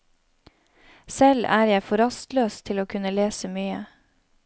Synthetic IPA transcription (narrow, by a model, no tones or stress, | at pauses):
sɛlæːɾjæɪfɔɾɑst̪løːst̪ʰɪloːkʰʉnəleːsəmyːə̰